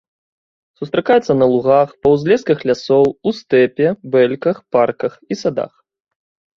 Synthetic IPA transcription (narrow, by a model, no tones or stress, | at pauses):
sust̪ɾakajɛt̪sːɐnɐlˠuɣaxpɐwzʲlʲɛskɐxlʲasɔwust̪ɛpʲɛbɛlʲkɐxparkɐxisad̪a̰x